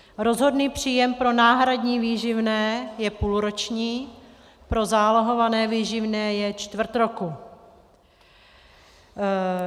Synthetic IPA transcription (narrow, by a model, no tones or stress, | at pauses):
ɾo̞zɦo̞dniːpr̝̥iːjɛmpɾo̞naːɦɾadɲiːviːʒɪvnɛːjɛpuːlɾot͡ʃɲiː | pɾo̞zaːloɦo̞vanɛːviːʒɪvnɛːjɛt͡ʃt̪vr̩t̪ɾo̞ku